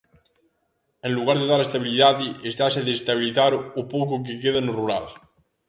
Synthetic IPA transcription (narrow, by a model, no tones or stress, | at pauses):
ẽnluɣ̞aɾðeðaɾest̪aβiliðaðiest̪aseðest̪aβ̞iliθaɾopok̬ok̬ekeðanoruɾal